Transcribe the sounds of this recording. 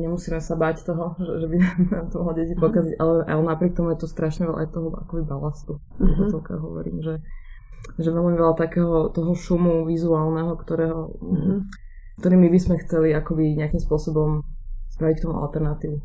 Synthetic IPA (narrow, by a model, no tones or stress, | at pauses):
ɲɛmusiːmɛsabaːct̪ɔɦɔʒɛʒɛbinamt̪ɔmɦlɔɟɛcipɔkaziɟʔalɛʔaɛnapɾɪɛk̚t̪ɔmujɛt̪ɔst̪ɾaʃɲɛʋɛla̰ʔa̰jt̪ɔɦɔa̰kɔbibalast̪u | ɛt̪ɔt͡sɛlka̰ɦɔ̰ʋɔ̰ɾḭːmʒɛ | ʒɛʋɛlmiʋɛʎat̪akɛːɦɔt̪ɔɦɔʃumuʋizuaːlnɛɦɔkt̪ɔɾɛːɦɔ | kt̪ɔɾiːmibismɛxt͡sɛliakɔbiɲɪakimspʊɔsɔbɔmspɾaʋic̚k̚t̪ɔmuʔa̰lt̪ɛɾnat̪iːʋu